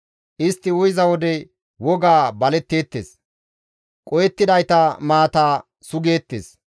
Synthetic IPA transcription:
ʔɪst̪ːɪʊjzɐwɔd̪ɛ | wɔɡaːbɐlɛt̪ːeːt̪ːeːs | kʼɔjɛt̪ːɪd̪ɐjt̪ɐmaːt̪aː | sʊɡe̞ːt̪ːḛːs

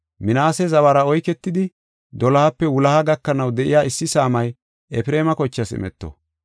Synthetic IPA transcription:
mɪnaːsɛzɐβɐɾɐɔjkɛt̪ːɪd̪ɪ | d̪ɔlɐhɐpːɛwʊlɐhɐɡɐkːɐnɐwd̪ɛʔɪ̰jaːɪsːɪsaːmɐj | ʔɛfɪɾeːmɐkɔt͡ʃːɐsɪ̰mɛ̰t̪ːɔ̰

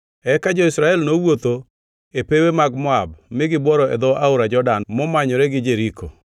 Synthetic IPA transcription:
ɛkad͡ʒɔɪsɾaɛlnowot̪o | epewemaɡmɔab̚mɪɡɪbwɔɾɔɛ̰d̪ɔʔaʊɾad͡ʒɔdanmɔmaɲɔɾɛɡɪd͡ʒeɾikʰo

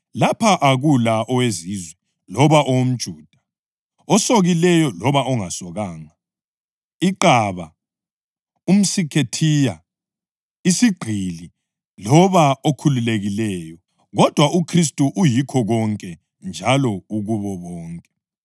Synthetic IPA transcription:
lapʰaʔaɣulaʔɔwezizwɛ | lɔβaʔɔwom̩d̥ʒ̥ʱuːd̥ʱḁ | ɔsoɣilɛjɔlɔβaɔŋasɔɣaːŋa | iǃaβa | um̩sikʰetʰija | isiɡ͡ǃʱili | lɔβaokʰululeɣilɛːjɔ | ɣɔd̥ʱwaʔukʰris̬tʼuʔujikʰɔɣɔŋkʼɛ | nd͡ʒʱalɔuɣuβɔβɔːŋkʼɛ̥

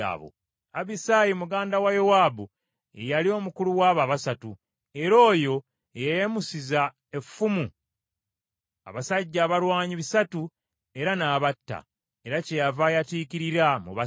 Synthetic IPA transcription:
a̰βo̰ | aβisaːjimuɡaːndawajowaːbu | ejalio̞ːmukuluwaːβaβasatu | e̞ɾo̞ːjo̞ | ejajemusiza | e̞fːumu | a̰βasaɟːaːβalwaːɲiβisatu | e̞ɾanaːβatːa̰ | e̞ɾace̞javajatiːkiɾiɾamṵβa

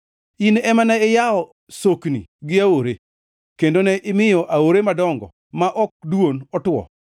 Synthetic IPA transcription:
inɛmanaɪjaɔ | soknḭɡɪaoɾe | kendonɛʔɪmɪjɔʔaoɾemadɔŋɡɔ̰ | maʔɔk̚dwonɔtwɔ̰

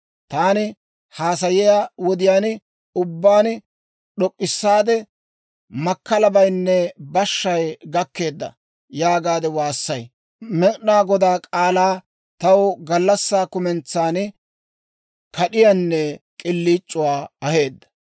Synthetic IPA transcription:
t̪aːnɪ | haːsɐjɪjaːwɔd̪ɪjaːn | ʊbːaːn | ɗɔkʼːɪsːaːd̪ɛ | mɐkːɐlɐbɐjnːɛbɐʃːɐjɡɐkːe̞ːd̪ːɐ̰ | jaːɡaːd̪ɛwaːsːɐj | mɛkʼnaːɡɔd̪aːkʼaːlaː | t̪ɐwɡɐlːɐsːaːkʊmɛnt͡sːaːn | kɐɗɪjanːɛkʼɪlːiːt͡ʃʼːʊwaːɐhe̞ːd̪ːɐ̥

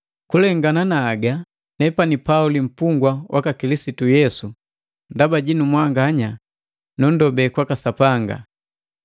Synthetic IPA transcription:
kulɛŋɡananaːɡa | nɛpanipaulim̩puŋɡwawʔakakilisitujɛsu | ndabaɟinumwaŋɡaɲa | nundɔbɛkwakasapaŋɡa̰

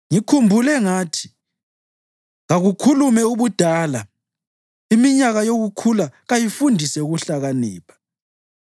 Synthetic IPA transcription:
ŋikʰumbʱulɛŋaːtʰi̥ | ɣaɣukʰulumɛuβud̥ʱaːla | imiɲaɣajoɣukʰulaɣajifundʱisɛuɣuɬaɣaniːpʰḁ

